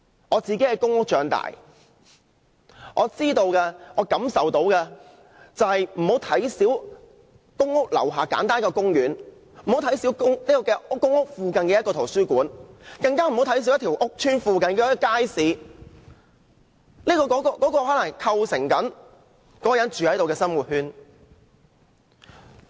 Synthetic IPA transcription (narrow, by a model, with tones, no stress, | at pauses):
ʔɔː˨˧t͡siː˨ke˨˥hɐ˨jkʊ˥ŋʊ˥k̚t͡ʃœː˨˧ŋt̪a̰ː˨˩j | ʔɔː˨˧t͡siː˥t̪o˧wkɛː˧ʔɔː˨˧kɐ˨˧˥msɐ˨wt̪o˨˥wkɛː˧ | t͡sɐ˨whɐ˨jm̩˨˩ho˨˥wt̪ʰɐ˨˥jsiː˨˥w | kʊ˥ŋʊ˥k̚lɐ̰˨˩wɦaː˨˩ka̰ː˨˥nt̪aː˥nkɔː˧kʊ˥ŋjyː˨˥n | m̩˨˩o˨˥wt̪ʰɐ˨˥jsiː˨˥wkʊ˥ŋniː˥kɔː˧kɛː˧˥ʊ˥ŋʊ˥k̚fuː˧kɐ˨nkɛː˧jɐ˥kɔː˧o˨˩syː˥kuː˨˥nkɐ˧ŋkaː˥m̩˨˩hwt̪ʰɐ˥js̬iː˨˥wjɐ˥t̪ʰiː˨˩wʔʊ˥k̚t͡ʃʰyː˥nfuː˧kɐ˨nkɛː˧ɔ˥ɔ˧kaː˥jsiː˨˥ | niː˥kɔː˧kɔː˨˥kɔ˧kɔː˨˥kɔː˧hɔː˨˥lɐ˨˩ŋkʰɐ˧wsɪ˨˩ŋkɐ˨˥n | kɔː˨˥jɐ˨˥nt͡ʃyː˨hɐ˨˥jt̪o˨wkɛː˧sɐ˥nmwuː˨˩t̚hyː˥n